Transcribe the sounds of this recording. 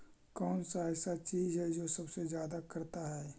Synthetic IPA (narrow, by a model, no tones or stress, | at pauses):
kɔːnsaɛːsat͡ʃiːzɦɛd͡ʒoːsɐbsezjaːd̪akɐɾt̪aɦɛː